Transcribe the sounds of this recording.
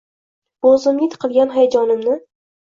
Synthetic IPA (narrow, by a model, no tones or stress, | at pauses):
ozɪmɪt̪qʰɨlˠɡʲanɦajad͡ʒɒnɪmnɪ